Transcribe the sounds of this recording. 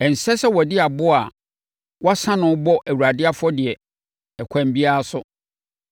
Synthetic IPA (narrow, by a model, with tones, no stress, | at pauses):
ɛ˨n̩˨sɛ˦sɛ˦wɔ˨dɪ˦a˨bʊ˦a˨ | wɔ˦sã˦nʊ̃˨˦bɔ˦ʔæ˨wu˨ɾa˨dɪ˦a˦fɔ˦dɪ˨ɛ˨ | ɛ˨kʷʰã˨m˦bi˦a˦a˦sʊ˦